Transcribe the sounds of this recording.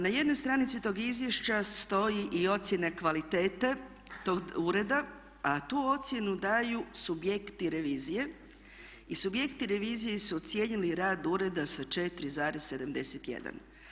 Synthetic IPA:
naje̞d̪no̞jst̪ɾaːnit̪sit̪o̞ːɡizʋje̞ʃt͡ɕast̪o̞jiʔio̞t̪sʲje̞nakʋalit̪e̞ːt̪e | t̪o̞ːɡuːɾe̞d̪a | at̪uːo̞t̪sje̞nud̪aːjusubje̞kt̪iɾe̞ʋiːzije̞ | isubje̞kt̪iɾe̞ʋiːzijesut̪sje̞ɲiliɾaːd̪uːɾe̞d̪asat͡ʃe̞t̪ɾizaːɾesse̞d̪amd̪e̞set̪jḛd̪a̰n

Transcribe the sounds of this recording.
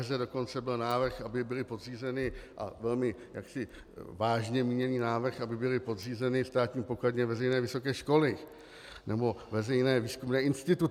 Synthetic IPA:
zɛdo̞ko̞nt͡sɛbɪlnaːvr̩xʔabɪbɪlɪpo̞d̪riːzɛnɪʔa̰vɛlmɪjaksɪ | vaːʒɲɛmiːɲɛniːnaːvr̩xabɪbɪlɪpo̞d̪riːzɛnɪst̪aːt̪ɲiːpo̞kladɲɛvɛzɛjnɛːvɪso̞kɛːʃko̞lɪ | nɛbo̞vɛzɛjnɛːviːskumnɛːʔɪnst̪ɪt̪u

